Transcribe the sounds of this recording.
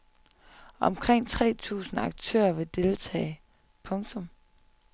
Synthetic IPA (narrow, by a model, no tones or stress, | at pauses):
ɒ̽mkʰʁeŋ̰t͡sʰʁɛ̰ːt͡sʰṵːsn̩ɑ̈ɡ̥̚t͡sʰø̰ːɐʋe̝d̥e̝ːlt͡sʰɛ̰ːɪ | pʰɔ̽ŋt͡sʰɔ̽m